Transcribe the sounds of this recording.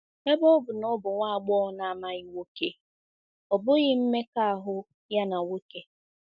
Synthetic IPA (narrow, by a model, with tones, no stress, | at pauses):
me˦bɔ˦bʊ˨nɔ˦bʊ˨ŋʷa˦˨a˨ɡ͡bɔ˦na˨ma˦ɣɪ˦wo˦ke˦ | ɔ˨bʊ˦ɣɪ˦m̩˦me˦ka˦a˨ɦʊ˦ | ja˦na˨wo˦ke˦